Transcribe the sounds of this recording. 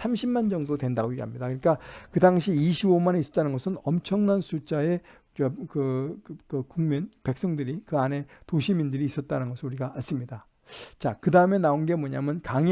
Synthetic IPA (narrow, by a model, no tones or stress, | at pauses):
sʰamɕʰimmand͡ʑʌŋdotwe̞ndaɡoiɦamɲidakɯik͈akɯdaŋɕʰiiɕʰibomaneis͈ʌt͈anɯnɡʌsʰɯnʌmt͡ɕʰʌŋnansʰut͡ɕ͈ae̞ | kɯkɯkuŋminpe̞k̚s͈ʌŋdɯɾikɯane̞toɕʰimindɯɾiːs͈ʌt̚t͈aɾanɡʌsʰɯnuɾiɡaːɭs͈ɯmɲida | t͡ɕakɯdaɯme̞naonɡe̞mʌɲamjʌnkaŋ